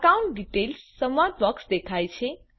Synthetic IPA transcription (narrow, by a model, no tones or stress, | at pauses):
kauɳʈ̚ɖiʈelsːəmad̪̚bəksd̪ekʰajt͡ʃʰe